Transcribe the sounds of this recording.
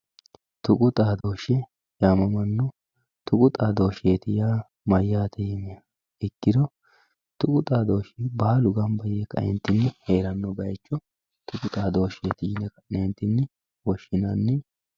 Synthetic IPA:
t̪ʊkʼʊt̪ʼaːd̪o̞ːʃɛ | jaːmɐmɐnːɔ | t̪ʰʊkʼʊt̪ʼaːd̪o̞ːʃeːt̪ɪjaː | mɐjːaːt̪ʰɛjɪmɛɐ | ɪkːɪd̪ɔ | t̪ʊkʼʊt̪ʼaːd̪o̞ːʃɛbaːlʊɡɐmbɐjeːkːɐ̰ɛ̰nt̪ːɪnːɪheːɾɐnːɔbɐjt͡ʃʼːɔ | t̪ʊkʼʊt̪ʼaːd̪o̞ːʃeːt̪ɪjɪnɛkɐnent̪ːɪnːɪ | wɔʃːɪnɐnːɪ

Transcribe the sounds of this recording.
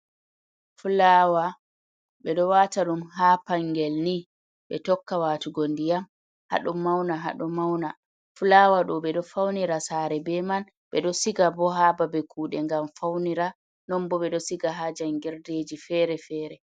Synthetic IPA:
fulawa | ɓɛɗɔwataɗumɦapaŋɡɛlni | ɓɛtɔkːawaːtuɡondijam | ha̰ɗumːawnaɦa̰ɗɔmawna | fulawaɗɔɓɛɗɔfawniɾasaːɾɛbɛman | ɓɛɗɔsiɡabɔɦaːbabɛkʰuːɗɛŋɡamfawniɾa | nɔmbɔɓɛɗɔsiɡaɦad͡ʒanɡɛɾded͡ʒifɛːɾɛfɛːɾɛ

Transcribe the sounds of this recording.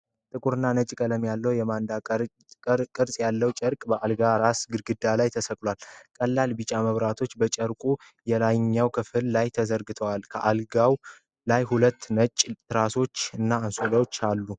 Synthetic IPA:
t̪ʼɨkʼuɾɨnːanət͡ʃʼkʼələmjalːəwjɛmand̪a | kʼɨɾsʼjalːəwt͡ʃʼəɾkʼbəʔalɡaɾasɡɨɾɡɨd̪alajt̪ʰəsəkʼlwalkʼəlːalbɨt͡ʃʼaməβɾat̪ʰo̞t͡ʃːbət͡ʃʼəɾkʼu | jɛlajɲːawkʰɨfɨllajt̪ʰəzəɾɡɨt̪ʰəwalkʰəʔalɡaw | lajhulət̪ːnət͡ʃʼt̪ʰɨɾaso̞t͡ʃːɨnːaansoləwot͡ʃːalːu

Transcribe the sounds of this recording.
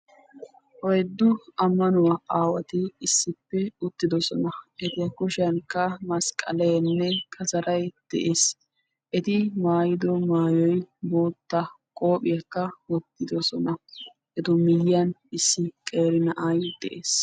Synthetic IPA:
ʔɔjd̪ːʊɐmːɐnʊwaʔaːwɐt̪ɪɪsːɪpːɛʊt̪ːɪd̪ɔsɔnɐʔɛt̪ɪjɐkʊʃɪɐnkːɐmɐskʼːɐ̰lɛjɐnːɛkʰɐzɐɾɐjd̪̥ɛ̰ʔeːs | ʔɛt̪ɪmaːjɪd̪ɔmaːjɔjbo̞ːt̪ːɐ | kʼo̞ːpʼɪjɐkːɐwɔt̪ːɪd̪ɔsɔnɐ | ʔɛt̪ɔmɪjɪjɐnɪsːɪkʼe̞ːɾɪnɐʔɐjd̪̥ɛ̰ʔeːs

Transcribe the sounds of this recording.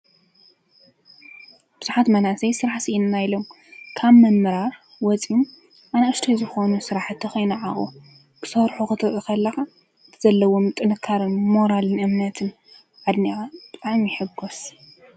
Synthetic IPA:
b̥ɨz̥uħat̪mɐnasɐjsɨɾaħsiʔinnːajlo̞m | kʰaβmɐmɨɾaɾ | wɔt͡sʼim | ʔanaʃt̪ʰojzɨxonusɨɾaħɨt̪ʰːɐxojnɨʕaʔʼu | kʰɨ̥sɐɾħuxɨt̪ʰɨɾʔɨkʰɐlːɐxa | ɨt̪ʰɨzɐlːɐwomt̪ʼɨnɨkʰːaɾɨnmo̞ɾalɨnɨmnɐt̪ʰɨn | ʕad̪niʔab̥ɨt̪ʼaʕmiħɨɡos

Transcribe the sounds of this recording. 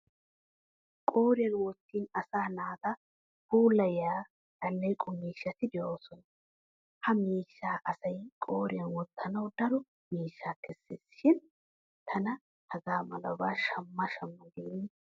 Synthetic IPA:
kʼoːɾɪjɐnwɔt̪ːiːnɐsaːnaːt̪ɐ | puːlɐjaː | d̪ɐlːɛjkʼʊmiːʃːɐt̪ɪd̪ɛjoːsɔn | hɐmiːʃːaːʔɐsɐjkʼoːɾɪɐnwɔt̪ʰːɐnɐwd̪ɐɾɔ | miːʃːaːkʰɛsːɪsʃɪn | t̪ʰɐnɐ | hɐɡaːmɐlɐbaːʃɐmːɐʃɐmːɐɡeːnːɪ

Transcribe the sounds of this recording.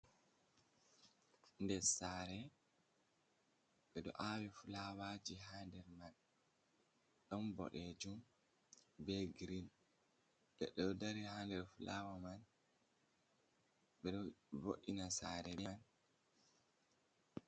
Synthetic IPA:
ndɛsaːɾɛ | ɓɛɗɔ̰ʔawɛfulawad͡ʒiɦaːndɛɾman | ɗɔmbɔ̰ɗɛd͡ʒum | bɛɡɾin | ɓɛɗɔɔdaɾihandɛɾfulʔawaman | ɓɛɗɔvoʔːinasaːɾɛɛn

